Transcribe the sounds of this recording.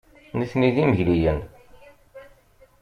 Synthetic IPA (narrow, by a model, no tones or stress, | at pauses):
niθniðiməʝlijən